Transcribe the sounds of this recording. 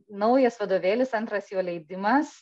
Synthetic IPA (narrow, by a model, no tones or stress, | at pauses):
nɒʊjɛsʋɐd̪oːʋʲeːlʲɪsɐnt̪ɾɐsjoːlʲɛɪd̪ʲɪmɐs